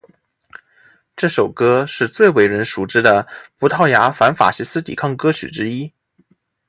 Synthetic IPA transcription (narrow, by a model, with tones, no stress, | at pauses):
ʈ͡ʂɤ˥˩ʂo˨˩ʊkɤ˥ʂɻ̩˥˧t͡swe˥˩ɪwe˧˥ɪɻə˧˥nʂu˨˩ʈ͡ʂɻ̩˥d̪ə˨˩pu˧˥t̪ʰɑ˥˩ʊja˧˥fa˧˥nfa̰˨˩ɕi˧˥sɹ̩˥t̪ḭ˨˩kʰɑ˥˩ŋkɤ˥t͡ɕʰy̰˨˩ʈ͡ʂɻ̩˥i˥